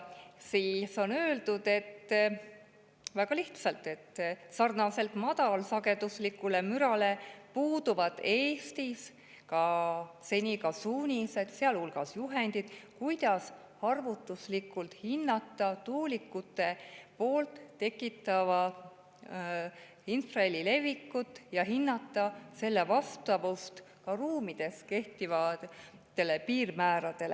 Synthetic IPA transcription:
siso̞nø̞ːld̪ud̪̥e̞t̪ː | væɡ̥ɑliht̪sɑlt̪ːˑe̞t̪ːsɑrnɑse̞lt̪mɑd̪̥ɑlsɑɡe̞d̪̥uslikːˑule̞myɾɑle̞puːd̪̥uvɑd̪̥e̞ːst̪is | kɑse̞nʲikɑsuːnʲise̞d̪̥seɑlhulɡ̥ɑsjuɦend̪̥id̪̥kujd̪̥ɑs | hɑrvut̪ːˑuslikˑːult̪hinːɑt̪ˑːɑt̪uːlikːut̪ːˑe̞po̞ːlt̪ːe̞kːˑit̪ːˑɑvɑ | insrɑelʲːile̞vːikːut̪ːˑjɑɦinːɑt̪ːˑɑse̞lːevɑst̪ɑvust̪ | kɑruːmid̪̥e̞ske̞ht̪ivɑt̪ːe̞lːepiːrmæːɾɑd̪̥e̞le

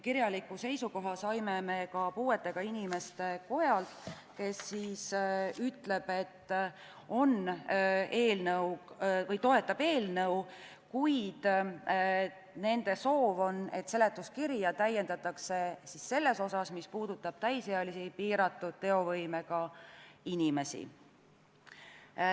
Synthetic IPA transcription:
kiɾjɑlikːˑuse̞jsuko̞ɦɑsɑjmeme̞kɑpuːe̞t̪ːˑe̞ɡ̥ɑinʲime̞st̪e̞ko̞jɑlt̪ | ke̞sːiːsyt̪le̞b̥e̞t̪ː | o̞n | e̞ːlnɤwvɤjt̪o̞e̞t̪ːˑɑb̥e̞ːlnɤw | kujd̪̥ | ne̞nd̪̥e̞so̞ːvo̞ne̞t̪se̞le̞t̪ːˑuskiɾjɑt̪æjːe̞nd̪ɑt̪ːˑɑkse̞sisse̞lːe̞so̞sɑsmispuːd̪̥ut̪ːˑɑb̥̚t̪æjseɑlisipiːɾɑt̪ːˑud̪̥̚t̪e̞o̞vɤjme̞kɑinʲime̞sḭ

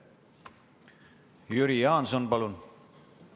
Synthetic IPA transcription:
jyɾijɑːnsonpɑlun

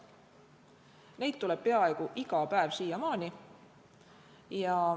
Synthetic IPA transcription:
ne̞jd̪̚t̪ule̞b̥̚pe̞ɑeɡ̥uʔiɡ̥ɑpæevsiːjɑmɑːnʲi | jɑ

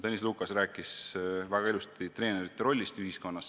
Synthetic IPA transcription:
t̪enʲisluːkɑsræːkːˑisvæɡ̥ɑelust̪t̪it̪re̞ːne̞ɾit̪ːeɾo̞lʲːist̪yɦisko̞nːɑs

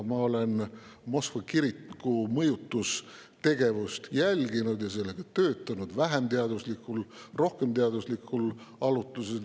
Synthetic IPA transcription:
mɑo̞le̞nmo̞skvɑkiɾikːumɤjut̪ːˑus | t̪e̞ɡ̥e̞vust̪jælʲɡinud̪jɑse̞lːe̞ɡ̥ɑt̪ø̞ːt̪ːˑɑnud̪̥væɦemt̪eɑd̪uslikːulro̞hke̞mt̪eɑd̪uslikːˑul | ɑlut̪ˑːusel

